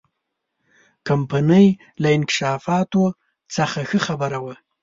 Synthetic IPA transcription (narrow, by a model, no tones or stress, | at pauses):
kampanəj | laɪnkɪ̥ʃɑfɑt̪o | t͡səxaxəxabəɾawa